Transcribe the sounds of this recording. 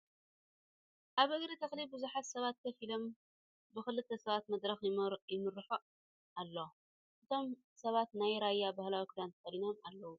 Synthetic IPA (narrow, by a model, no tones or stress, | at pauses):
ʔaβɨɡɾit̪ʰɐxlibɨzuħat̪sɐβat̪̚k̪ʰɐfilo̞m | bɨxɨlɨt̪ʰːɐsɐβat̪mɐd̪ɾɐxjɪmɨɾɨħu | ʔalːo̞ | ʔɨt̪ʰo̞m | sɐβat̪najɾajːabahlawikʰud̪ant̪ʰɐfɐlino̞malːɐwu